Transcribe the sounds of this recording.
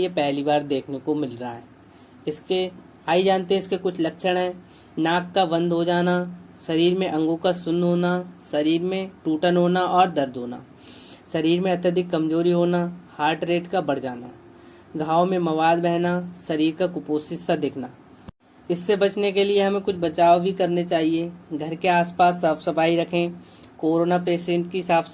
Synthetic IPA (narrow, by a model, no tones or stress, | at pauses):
epɛɦlibaːɾd̪eːkʰnekomɪlɾɐɦaɦɛː | ɪske | aːid͡ʒaːnt̪eɦɛ̃ɪskekʊt͡ʃʰlɐkʃəɽ̃ɦɛː | naːkːaʋɐ̃nd̪ɦod͡ʒaːna | ʃɐɾiːɾmẽʔɐ̃ŋɡõkasʊ̃nɦoːnasɐɾiːɾmẽʈuːʈənɦoːnaʔɔːɾd̪ɐɾd̪ʱoːna̰ | sɐɾiːɾmẽɐt̪əd̪ʱɪkːɐmzoːɾiɦoːnahaːɾʈɾeːʈkabɐɽ̤d͡ʒaːna | ɡʱaːomẽmɐʋaːd̪bɛɦnasɐɾiːɾkakʊpoːsɪsːad̪eːkʰnaː | ɪsːebɐt͡ʃnekelieɦɐmẽkʊt͡ʃʰbɐt͡ʃaːobʱikɐɾnet͡ʃaːɦieɡʱɐɾkeaːspaːsːaːpsɐpʰaːiɾɐkʰẽ | koːɾoːnapeːsɪə̃ɳʈkiɦɪsaːps